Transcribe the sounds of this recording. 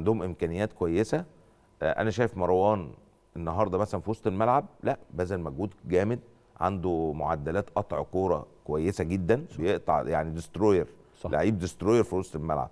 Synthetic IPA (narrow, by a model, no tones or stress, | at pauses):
and̪ohomʔemkæːnejːæːt̪̚kowæjːesæ | ʔæ̰næʃ̬æːjefmɑɾˤwɑːn | ʔenːɑɦɑːɾˤd̪ˤɑmæsælænfiwɑsˤt̪ˤelmælʕab̚læʔbæzælmæɡuːd̪ɡæːmed̪̚ | ʕa̰nd̪omo̰ʕa̰d̪ːælæːt̪ʔɑt̪ˤʕkoːɾˤɑ̰kowæjːesæɡed̪ːænjeʔt̪ˤɑ̰ʕjaʕnid̪est̪ɾoːjeɾ | lʔa̰ʕiːb̚d̪est̪ɾoːjeɾfiwɑsˤt̪ˤelmæ̰lʕa̰b̥̚